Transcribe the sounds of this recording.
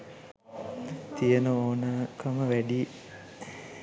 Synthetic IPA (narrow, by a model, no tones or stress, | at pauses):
t̪ijenəoːnaːkʰəməʋæɖi